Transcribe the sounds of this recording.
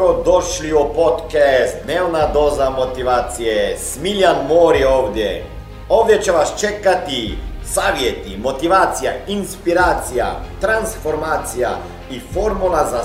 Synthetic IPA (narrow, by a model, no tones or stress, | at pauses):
ɾɔd̪oʃliɔpot̪kɛst̪d̪nɛwnad̪ozamot̪iʋaːt̪sijɛsmiljanmoɾioːvd̪jɛ | ovd̪jɛt͡ʃɛʋast͡ʃɛkat̪isaːʋjɛt̪imot̪iʋaːt̪sijainspiɾaːt̪sija̰t̪ɾansfoɾmaːt̪sija̰ | ifoɾmulaza